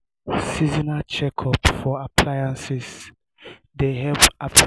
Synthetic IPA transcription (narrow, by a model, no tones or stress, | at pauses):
sizinat͡ʃɛkʰɔpfɔapʰlajãnsis | dehɛva